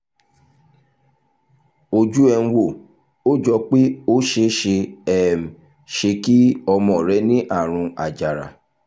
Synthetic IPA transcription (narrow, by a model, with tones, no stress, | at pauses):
o˧d͡ʒu˦ɛ˧ñ̩˦˧wo˦˨ | o˦d͡ʒɔ˧k͡pe˦o˦ʃe˧ʃe˧ɛ˦˨m̩˨ | ʃe˧ki˦ɔ˧mɔ̃˨ɾɛ˨˦nĩ˦ʔa˦˨ɾ̃ũ˧a˨d͡ʒa˨ɾa̰˨